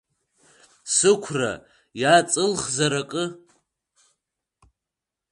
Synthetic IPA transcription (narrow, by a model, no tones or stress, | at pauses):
sɨkʷʰra̰ | jat͡sʼɨlχzaɾakʼɨ